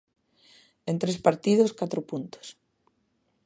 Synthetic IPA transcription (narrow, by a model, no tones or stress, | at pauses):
ent̪ɾespaɾt̪ið̞oskat̪ɾopunt̪o̥s